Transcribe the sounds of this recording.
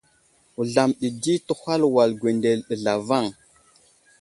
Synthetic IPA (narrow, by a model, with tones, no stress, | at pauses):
u˨ɮa˨mɗi˨di˦tu˦ha˦lwa˨lɡwe˨nde˨lɗə˨ɮa˨va˦˨ŋ